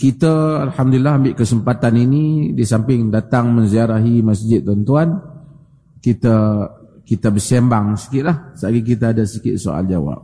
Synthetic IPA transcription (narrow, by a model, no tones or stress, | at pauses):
kit̪əːlhamdulilːaɦambɪʔkəsəmpat̪aninidisampɪŋdat̪aŋmə̃nziaɾaɦimasd͡ʒɪt̪̚ːɔnt̪uan | kit̪akit̪abəsembaŋsi̥kɪt̪̚lahsaaɡik̬it̪aːdasikɪ̰t̪̚soa̰ld͡ʒawa̰p̚